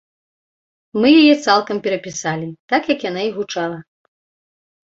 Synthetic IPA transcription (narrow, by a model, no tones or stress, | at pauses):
mɨjajɛt̪salˠkɐmpʲɛɾɐpʲisalʲit̪akjɐkjanaiɣut͡ʂalˠɐ